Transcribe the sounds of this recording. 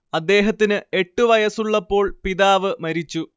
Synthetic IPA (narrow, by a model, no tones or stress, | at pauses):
ɐd̪ːe̞ːɦɐt̪ːinɨe̞ʈːuʋɐjɐsuɭːɐpːo̞ːɭpiðaːʋɨmɐɾit͡ɕːu